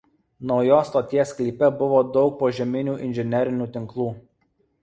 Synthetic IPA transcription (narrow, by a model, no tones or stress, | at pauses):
nɒʊjoːst̪oːt̪ʲiɛsklʲiːpʲɛbʊʋoːd̪ɒʊk̚poːʒʲɛmʲɪnʲuːʔɪnʲʒʲɛnʲɛɾʲɪnʲuːt̪ʲɪŋklˠuː